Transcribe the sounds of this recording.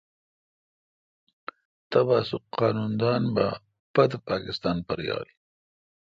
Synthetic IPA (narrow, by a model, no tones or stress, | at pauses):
t̪abɑːsʊqqɑːnund̪ɑːnba | pad̪əpɑːkɪst̪ɑːnpəɾjɑ̰ːli